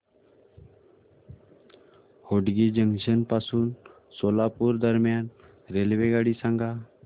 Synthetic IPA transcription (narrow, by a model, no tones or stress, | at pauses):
hoɖɡid͡ʒəŋɡʃənpasuːn | solapuɾd̪əɾmjan | ɾelʋeɡaɽisãŋɡʱa